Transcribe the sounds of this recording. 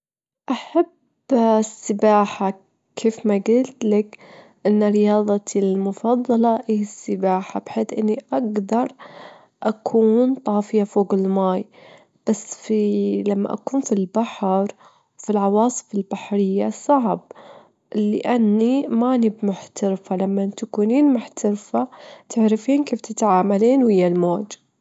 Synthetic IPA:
ʔaħab | sːɪbaːħa | kʰeːfmaɡɪlt̪lak | ʔɪnːaɾɪjɑːðˤɑlmʊfɑðˤːɑlɑʔihsːɪbaːħabħeːθʔɪnːiʔaɡd̪ɑɾˤ | ʔakʰuːnt̪ˤɑːfɪjafoːɣɪlmaːj | b̥asːfilamːa̰ʔa̰kuːnfilbaħɾ | wfilʕɑwɑːsˤɨ̥fɪlbaħɾɪjːasˤɑʕb̚ | lɪʔanːimaʔnibmʊħt̪aɾfalamːant̪akuːniːnmʊħt̪aɾfat̪ɪʕɾɪfiːnkeːft̪ɪt̪ʕaːmaliːnwɪjːalmoːd͡ʒ

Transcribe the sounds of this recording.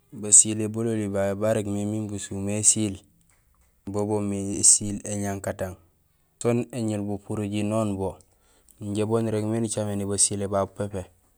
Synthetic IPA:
basilebololibabaɾeɡmeminbusumesil | bobomisileɲaŋkataŋ | soneɲilbupuɾoɟinoːnbo | ɲɟebonɾekmenit͡ʃamenibasilebabupepe

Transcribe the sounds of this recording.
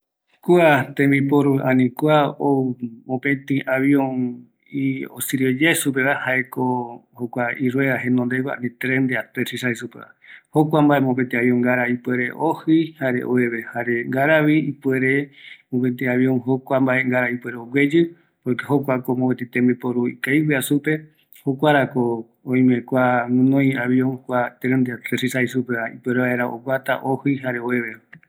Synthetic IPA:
kuat̪ẽmbipoɾuʔãnĩkwaomõpẽt̪ĩʔaβiõn | io̰sɨɾiod͡ʒasup̬eβahaekohokʷaiɾweðaɦẽnõnd̪eɡʷaã̰nĩt̪ɾend̪eat̪esisaisupeβa̰hokʷambaemõp̬ẽnt̪ĩaβiõŋɡaɾaipueɾe̞ʔohɨjhaɾḛʔo̰eβehaɾeŋɡaɾaβiipweɾemõpet̪eaβjõŋɦokʷambaʔe̞ŋɡaɾaipweɾeoɡʷwe̞d͡ʒɨ | pojkeɦokʷakomõpẽt̪et̪ẽmbipoɾuḭkajwiasupe̞ | hokʷaɾako | õĩmẽkʷamɨ̃nõj̃aβiõŋkʷat̪ɾẽnd̪eat̪ɾesisajsupeβaḭpweɾeβaeɾaʔo̰ɡʷwat̪a̰ʔohɨjɦaɾeoeβe

